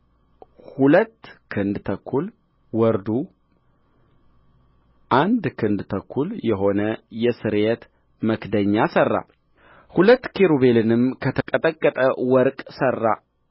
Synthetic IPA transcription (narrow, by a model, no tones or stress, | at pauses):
hulət̪ːkʰɨnd̪t̪ʰəkʰːul | wɔɾd̪u | ʔand̪kʰɨnd̪t̪ʰəkʰːuljɛɦo̞nəjɛsɨɾet̪ | məkd̪əɲːasərːa̰ | hulət̪ːkʰeɾuβe̞lɨnɨmkʰət̪ʰəkʼət̪ʼəkʼːət̪ʼəwɔɾkʼsərːa